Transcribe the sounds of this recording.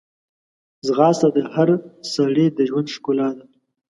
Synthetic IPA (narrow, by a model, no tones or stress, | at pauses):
zɣɑːsad̪əhaɾsaɽed̪əʒwand̪ʃkolɑːd̪a